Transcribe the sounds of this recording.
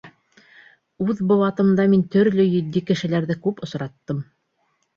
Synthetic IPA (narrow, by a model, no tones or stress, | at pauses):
ʉðbŏwɑt̪ɤ̆md̪ɑmint̪ɵ̆ɾlɵjɵ̆d̪ːikɘ̆ʃɘ̆læɾðɘkʉpŏsɾɑt̪ːɤm